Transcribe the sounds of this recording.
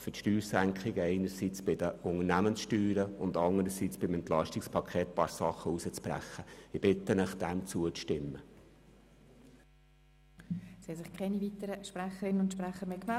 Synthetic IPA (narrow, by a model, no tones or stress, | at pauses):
fətʃtyːɾsæŋkʰχɪɡəɛɪnəɾsit͡sb̥ɪdəʊŋənæmənsʃtyːɾəʊndɑndəɾəsiːt͡sb̥ɪmɛnt̪lɑʃtɪkspʰɑkʰeːt̚pɑɾsɑχːəusət͡spɾæ̰χːəɪb̥ɪtːənəχd̥ɛmt͡suətʃtɪmːə | siɛsɪχkʰɛnivitəɾəʃpɾæχəɾɪnənʊntʃpɾɛχəɾmeːkmɛ